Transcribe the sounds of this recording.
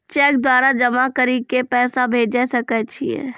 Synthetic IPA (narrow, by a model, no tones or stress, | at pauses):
t͡ʃɛːk̚d̪waːɾad͡ʒɐmakəɾikepɛːsabʱeːd͡ʒasɐkɛt͡ʃʰiɛ̰ː